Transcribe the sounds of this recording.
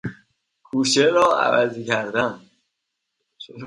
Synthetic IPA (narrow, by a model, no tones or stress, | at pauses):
kʰuːʃʰeɾɒːæ̰væzicʰæɾd̪æn